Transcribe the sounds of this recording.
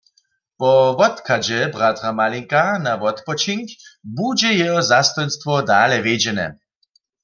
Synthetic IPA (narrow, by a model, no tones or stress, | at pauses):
pɔʋɔt̪kʰad͡ʒɛbʁat̪ʁamaliŋkanaʋɔt̪pɔt͡ʃiŋkbud͡ʒɛjɛɦɔzast̪ɔjnst̪ʋɔd̪aːlɛʋed͡ʒɛnɛ̰